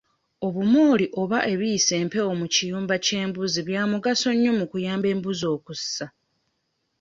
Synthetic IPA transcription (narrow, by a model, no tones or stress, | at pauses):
o̞βumoːliʔo̞βaʔe̞βijːse̞ːmpe̞o̞mucijuːmbace̞ːmbuziβjaːmuɡaso̞ɲːo̞mukujaːmbe̞ːmbuzo̞ːkusːa